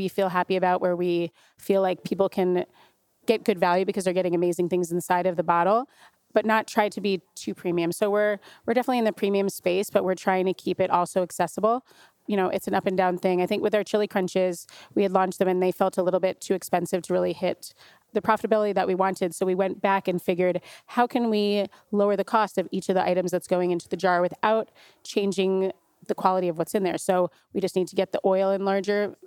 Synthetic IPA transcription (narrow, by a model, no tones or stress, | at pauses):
wifilˠɦæpiɨbaʊʔwə˞wi | filaɪk̚pʰipl̩ˠkʰɨ̃n | ɡ̥ɛt̚ɡ̥ʊdvælˠjʉbɨkʰʌzðə˞ɡɛɾɪ̃ŋɨmeɪzɪ̃ŋθɪ̃ŋz̃n̩saɪɾʌvðɨbɑɾl̩ˠ | b̥ʌtⁿnətʰɹ̥aɪd̚tʰɨbitʰʉpʰɹ̥ĩmiɨ̃msoʊwɪɹwɨɹdɛfənətˡliɨ̃nðɨpʰɹ̥ĩmiɨ̃mspeɪsb̥ʌʔ̚wɪɹtʰɹ̥aɪɪ̃ŋtʰɨkʰipɨɾʔɔlˠsoʊɨksɛsəbl̩ˠ | jɨɾ̃oʊʔɨtsn̩ʌpɨ̃ndãʊ̃nθɪ̃ŋaɪθɪ̃ŋkwɨðaə˞t͡ʃʰɪlˠikʰɹ̥ʌ̃nt͡ʃɪz̥wiɨdˡlɔ̃nt͡ʃt̚ðɨ̃mɨ̃nðeɪfɛlˠtəlɪɾl̩ˠbɪtʰʉɨkspɛ̃nsɨv̥tʰəɹɪlˠihɪt̪̚ | ðɨpʰɹ̥ɑfəɾəbɪlˠəɾiðɨʔ̚wiwɑ̃ntʰɨd̥soʊwiwɛ̃nb̥ækɨ̃nfɪɡjə˞d̚haʊkʰɨ̃nwi | loʊə˞ðɨkʰɔstʌvit͡ʃʌvðiʔa̰ɪɾɨ̃mzðɨtsɡ̥oʊɪ̃ŋɪ̃ntʰʉðɨd͡ʒɑɹwɨθaʊt̚ | t͡ʃʰẽɪ̃nd͡ʒɪ̃ŋ | ðɨkʰw̥ɑlˠəɾiʌvwʌtsɨ̃nðə˞soʊ | wid͡ʒʌstⁿnid̚tʰɨɡɛt̪̚ðiʔɔɪlˠɨ̃nlɑɹd͡ʒə˞